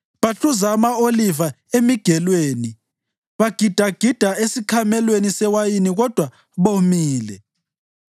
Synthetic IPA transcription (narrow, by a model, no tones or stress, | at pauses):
βaɬuzaːmaoliva | emiɡ̥ʱɛlweːni | βaɡ̥ʱid̥ʱaɡ̥ʱid̥ʱaesiǃʰamɛlwenisɛwajiniɣɔd̥ʱwa | βomiːlɛ